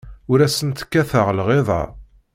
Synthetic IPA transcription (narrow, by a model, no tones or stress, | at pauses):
ʊɾæsənt̪kːæθəʁlʁeðˤɑ̰